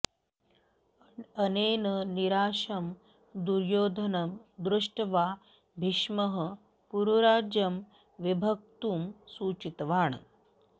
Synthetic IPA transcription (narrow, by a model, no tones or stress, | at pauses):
əneːnəniɾaːʃɐm | d̪uɾjoːd̪ʱɐnɐmd̪ɾuʂʈʋaː | bʱiʂmɐɦə | puɾuɾaːd͡ʒjɐm | ʋibʱɐk̚t̪uːmsuːt͡ʃit̪ʋaːɳ